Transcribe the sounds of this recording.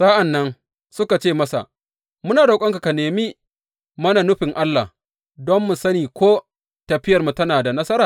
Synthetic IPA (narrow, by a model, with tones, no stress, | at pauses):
sa˦ʔa˨nːɐ˦ŋ | sʊ˦ka˨t͡ʃeː˦˨mɐ˦sa̰˨ʔ | mʊ˦naː˨da˨kʷʼɐ˦ŋka˨ka˨neː˨miː˦ | mɐ˦na˨nʊ˦ɸɪ˨ŋʔa˦lːa̰˨h | dɔ˦mːʊ˨sɐ˦niː˨kʷoː˦ | tɐ˨ɸɪ˦jɐ˨rmu˨tɐ˦naː˨da˨nɐ˦sɐ˦ɾaː˨